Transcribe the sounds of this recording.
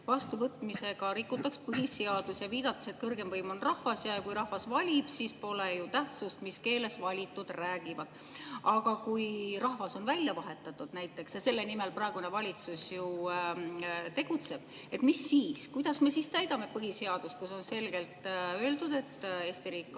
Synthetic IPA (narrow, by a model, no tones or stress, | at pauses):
vɑst̪uvɤt̪ːˑmise̞ɡ̥ɑɾikːut̪ːˑɑkspɤɦiseɑd̪̥usjɑviːd̪̥ɑt̪ːˑɑ̥set̪̚kɤrɡe̞mvɤjmo̞nrɑhvɑsjɑjɑkujɾɑhvɑsvɑlʲib̥siːspo̞lejut̪æht̪sust̪miske̞ːle̞svɑlʲit̪ːˑud̪̥ræːɡ̥ivɑd̪̥ | ɑɡ̥ɑkujrɑhvɑso̞nvælʲjɑvɑɦe̞t̪ːˑɑt̪ːˑud̪̥næjt̪ːˑe̞ksjɑse̞lːe̞nime̞lprɑe̞ɡ̥unevɑlʲit̪susju | t̪e̞ɡ̥ut̪se̞b̥ | e̞t̪ˑmisːiːskujd̪̥ɑsme̞sist̪æjd̪̥ɑme̞pɤɦise̞ɑd̪̥ust̪̚kuso̞nse̞lɡ̥e̞lt̪ø̞ːld̪ud̪̥e̞t̪ːˑe̞ːst̪iɾiːkˑː